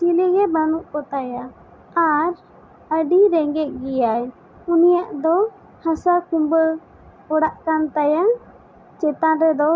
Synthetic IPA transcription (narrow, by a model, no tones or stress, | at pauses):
t͡ʃiliɡɛbanuʔkɔt̪ajaː | ɾ | əɖiɾɛŋɡɛt̪̚ˀɡijaj | unijaʔd̪ɔ | hasakumbə | ɔɽaʔkant̪aja | t͡ʃɛt̪aɾɛd̪ɔ